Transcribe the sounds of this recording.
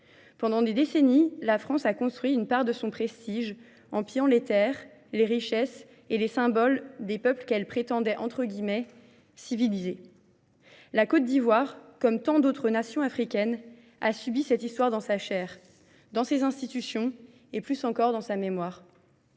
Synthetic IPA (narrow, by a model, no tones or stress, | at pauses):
pɑ̃d̪ɑ̃d̪ed̪esenilafχɑ̃sakɔ̃st̪χɥiynpaʁd̪əsɔ̃pχest̪iʒ | ɑ̃pijɑ̃let̪ɛʁ | leʁiʃɛs | elesɛ̃bɔld̪epœpləkɛlpχet̪ɑ̃d̪ɛʔɑ̃t̪χəɡʲimɛ | sivilize | lakɔt̪̚d̪ivwaʁkɔmt̪ɑ̃d̪ot̪χənasjɔ̃afχikʲɛn | asybisɛt̪ist̪waʁd̪ɑ̃saʃɛːʁ | d̪ɑ̃sezɛ̃st̪it̪ysjɔ̃ | eplysɑ̃kɔʁd̪ɑ̃samemwaːʁ